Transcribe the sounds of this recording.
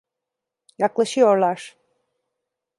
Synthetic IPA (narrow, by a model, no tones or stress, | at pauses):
jaklˠaʃɯjo̞ɾlˠaɾ̥